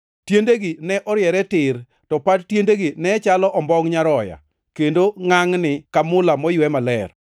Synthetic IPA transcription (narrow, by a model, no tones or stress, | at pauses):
tjendeɡinɛʔɔɾjɛɾɛtɪɾ | tɔpadtjendeɡinɛt͡ʃalɔʔɔmbɔŋɲaɾɔja̰ | kendoŋaŋnɪkamʊlamɔjwɛmalɛr